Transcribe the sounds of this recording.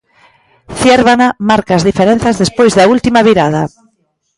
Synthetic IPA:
θjeɾβanamaɾkaːzðifeɾen̟θɐzðespojzðɐult̪imɐβiɾað̞ɐ

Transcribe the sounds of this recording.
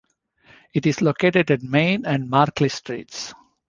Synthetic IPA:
ɪʈɪzlokeːʈeɖæʈ̚mẽɪnæ̃ɳɖmaːɾklisʈɾḭːʈs

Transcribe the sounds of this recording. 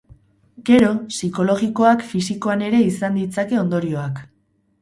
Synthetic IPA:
ɡe̞ɾo̞siko̞lo̞ɣiko̞akfisiko̞ane̞ɾe̞isand̪it͡sake̞o̞nd̪o̞ɾio̞ak

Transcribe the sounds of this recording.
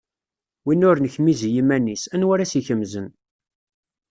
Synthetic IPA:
winːʊɾnəçmizjimænisænwæɾæsiçəmzən

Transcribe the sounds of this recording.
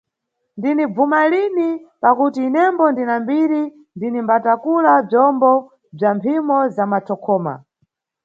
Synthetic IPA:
ndinib͡vumalinipakutiːnɛmbɔndinambiɾi | ndinimbatakulab͡ʐɔmbɔ | b͡ʐampʰimɔzamatʰɔkʰɔːma̰

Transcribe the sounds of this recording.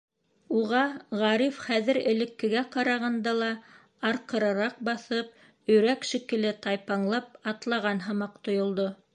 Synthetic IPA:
uʁɑʁɑɾifχæðɘ̆ɾɘ̆lɘ̆kːɘ̆ɡæqɑɾɑʁɑnd̪ɑlˠɑ | ɑɾqɤ̆ɾɑ̆ɾɑq̚bɑθɤp̚ | ɵ̆jɾækʃikɘ̆lɘt̪ɑjpɑɴlˠɑp̚ɑt̪lˠɑʁɑnɦɑ̆mɑqt̪ŏjŏlˠd̪o

